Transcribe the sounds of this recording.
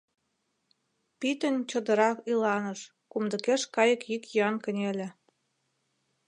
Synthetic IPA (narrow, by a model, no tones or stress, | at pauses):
pit̪ə̆nt͡ɕə̆d̪ə̆ɾɑkilɑnə̆ʃ | kumd̪ə̆keʃkɑjə̆kjikjøɑnkə̆nʲelʲĕ